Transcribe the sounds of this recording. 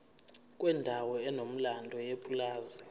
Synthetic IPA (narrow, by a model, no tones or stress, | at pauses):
kʼwɛndʱawɔɛnom̩landʱɔjepʼulaːzɛ